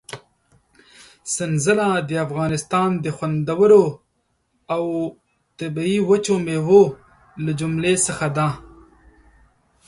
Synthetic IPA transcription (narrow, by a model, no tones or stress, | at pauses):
sɪnzəlad̪əafɣɑːnɪst̪ɑːnd̪əxwand̪awəɾo | aw | t̪abiiwət͡ʃomewo | lad͡ʒʊmlesəxad̪ã